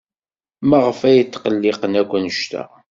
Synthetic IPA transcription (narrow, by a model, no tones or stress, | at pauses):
mæʁəfæjət̪ːqəlːɪqənækʷːənʃt̪æ̰